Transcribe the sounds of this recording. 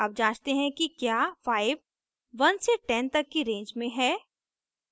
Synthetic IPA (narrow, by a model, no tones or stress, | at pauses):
ɐb̚d͡ʒaːd͡ʒt̪eɦɛ̃kikjaːfaːɪʋ | ʋɐnseʈɛnt̪ɐkːiɾẽːɲd͡ʒmẽɦɛː